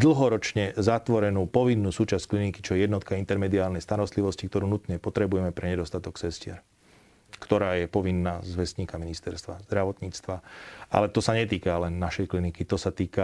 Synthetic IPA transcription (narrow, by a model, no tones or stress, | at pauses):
d̪l̩ˠɦɔɾɔt͡ʃɲɛzat̪ʋɔɾɛnuːpɔʋinːuːsuːt͡ʃasckliniki̥t͡ʃɔjɛjɛd̪nɔt̪kaint̪ɛɾmɛd̪iaːlnɛjst̪aɾɔst̪liʋɔscikt̪ɔɾuːnut̪ɲɛpɔt̪ɾɛbujɛmɛpɾɛɲɛd̪ɔst̪at̪ɔksɛscɪɛ̰ɾ | kt̪ɔɾaːjɛpɔʋinːaːzʋɛsɲiːkaminist̪ɛɾst̪ʋazd̪ɾaʋɔt̪ɲiːt͡st̪ʋaʔa̰lɛt̪ɔsaɲɛt̪̬iːkalɛnːaʃɛjklinikit̪ɔsat̪iːka